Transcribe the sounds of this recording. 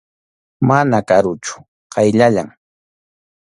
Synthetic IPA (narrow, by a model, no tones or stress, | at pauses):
manakaɾʊt͡ʃʊ̥ | qɑjʎaʎaŋ